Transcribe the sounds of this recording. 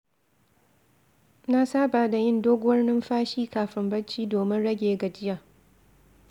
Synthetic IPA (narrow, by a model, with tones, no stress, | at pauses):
na˦saː˦baː˨da˨jɪ˦ndoː˦ɡʷwɐ˦rnɪ˦mɸaː˦ʃiː˦kaː˨ɸɪ˦mbɐ˦t͡ʃːiː˦doː˨mɪ˦nɽɐ˦ɡʲeː˨ɡɐ˨d͡ʒɪ˦jaː˨